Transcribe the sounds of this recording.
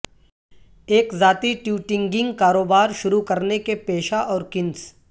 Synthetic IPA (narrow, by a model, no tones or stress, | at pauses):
eːkzaːt̪iʈjuːʈɪ̃ŋɡɪ̃ŋɡkaːɾoːbaːɾʃʊɾukɐɾnekepeːʃaʔɔːɾkɪ̃ns